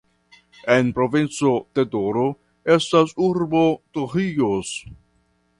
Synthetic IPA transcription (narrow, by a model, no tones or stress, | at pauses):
e̞npɾo̞vint͡so̞d̥e̞do̞ɾo | e̞stasuɾbo̞tohios